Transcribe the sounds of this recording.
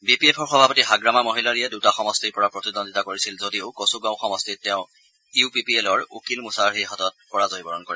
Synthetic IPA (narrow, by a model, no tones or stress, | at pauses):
bipiepʰɔɹxɔbʱapɔtiɦaɡɹamamoɦilaɹijɛdutaxɔmɔstiɹpɔɹapɹotidɔnditakoɹisilzodiʊkosuɡãʊ̃xɔmɔstitːɛʊ̃ | iupipielɔɹukilmusaɹɦiɦɔtɔt̚pɔɹazojbɔɹɔnkoɹɛ